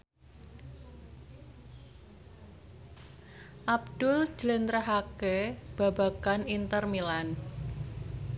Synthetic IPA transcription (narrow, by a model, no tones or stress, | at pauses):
ʔabd̪̥ʊl̥d͡ʒələnt̪ɾaɦakeb̥a̤ba̤kanint̪ərmilan